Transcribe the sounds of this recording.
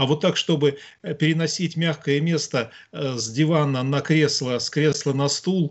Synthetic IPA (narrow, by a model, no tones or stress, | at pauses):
avo̞t̪ːakʂt̪o̞bɨ | pʲɪɾʲɪnɐsʲitʲmʲaxkəjəmʲe̞st̪ə | zʲdʲɪvanənɐkɾʲeslˠəskɾʲe̞slˠənɐst̪ulˠ